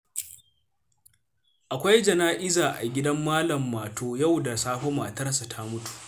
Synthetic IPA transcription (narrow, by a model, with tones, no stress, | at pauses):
ʔa˨kʷa˦jd͡ʒɐ˨naː˦ʔɪ˦zaː˨ʔa̰˨ɡʲɪ˦dɐ˦mːaː˦lɐ˨mːaː˨toː˦ja˦˨wda˨saː˦ɸo˦maː˨tɐ˦rsa˨tʰa˦mʊ˦tu̥˨ʔ